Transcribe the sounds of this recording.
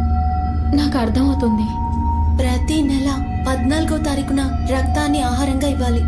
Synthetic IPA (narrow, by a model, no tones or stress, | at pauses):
naːkuɐɾt̪ʰɐmɐwt̪und̪i | pɾɐt̪inɛlɐ | pɐd̪naːlɡot̪ɐɾikunɐ | ɾɐk̚t̪aːnːiaːɦaːɾɐŋɡaːiʋːaːli